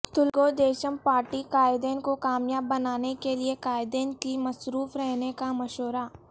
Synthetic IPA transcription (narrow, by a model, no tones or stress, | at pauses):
t̪ʊlɡod̪eːʃəmpaːɾʈikaːɪd̪eːnkokaːmjaːbːɐnaːnekeliekaːɪd̪eːnkimɐsɾuːfɾɛɦnekamɐʃoːɾaː